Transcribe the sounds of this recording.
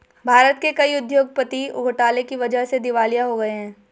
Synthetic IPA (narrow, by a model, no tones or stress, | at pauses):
bʱaːɾət̪̚kekɐiʊd̪joːɡ̚pət̪iʊ̰ɡʱəʈaːlekiʋɐd͡ʒəɦsed̪ɪʋaːlijaɦoɡɐeɦɛ̃ː